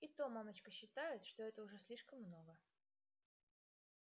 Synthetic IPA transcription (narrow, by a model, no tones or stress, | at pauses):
ɪt̪omamət͡ɕkəɕːɪt̪ajɪt̪ʂt̪oɛt̪əʊʐɛsʲlʲiʂkəmːnoɡə